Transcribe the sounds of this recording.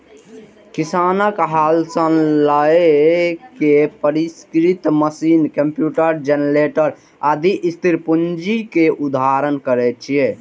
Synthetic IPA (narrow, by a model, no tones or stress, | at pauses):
kisaːnəkɦaːlsənlaekepəɾiskɾit̪məsiːnkəmpjuːʈəɾd͡ʒenɾeʈəɾ | ad̪iʔist̪ʰiɾpund͡ʒikeʔud̪aɾənkəɾɛt͡ʃʰije